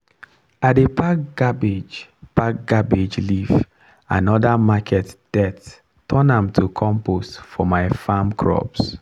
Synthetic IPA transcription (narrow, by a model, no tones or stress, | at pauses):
adepakɡ̥abid͡ʒpak̚ɡ̥abid͡ʒliv | ã̰nɔdamakʰɛtd̥ɛt | tʰːɔnãmtʰukʰɔ̃mpostfɔmaɪfamkʰɹɔ̰ps